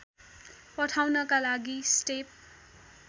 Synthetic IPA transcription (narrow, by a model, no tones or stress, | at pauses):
pʌʈʰawnʌkalaɡisʈep̚